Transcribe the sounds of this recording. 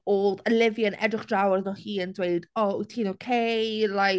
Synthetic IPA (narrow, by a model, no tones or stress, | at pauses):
oːðəlɪvjənʔɛ̰drɪχd̥rawrðnɔhiːəndwejd̥ɔutʰiːnowkʰelaj